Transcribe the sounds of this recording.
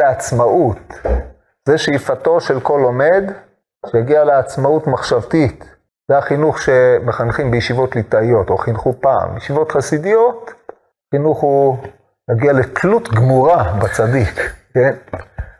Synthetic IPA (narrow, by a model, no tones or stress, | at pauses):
eat͡smaut̪ | z̥eʃejfato̞ʃe̞lko̞lo̞me̞d̪ | ʃejaɡialeat͡smautmaχʃavt̪it̪ | zeaχinuχʃe̞meχanχimbejeʃivo̞tlit̪aijo̞to̞χinχupa̰ːmjeʃivo̞t̪χasid̪ijo̞t̪ | χinuχhu | jaɡialekʰlut̪ɡmuʁabat͡sadikken